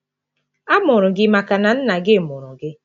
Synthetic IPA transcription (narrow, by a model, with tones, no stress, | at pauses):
a˦mʊ˨ɾʊ˨ɡɪ˦ma˨ka˨na˨n̩˦na˨ɡɪ˦˨mʊ˨ɾʊ˨ɡɪ˦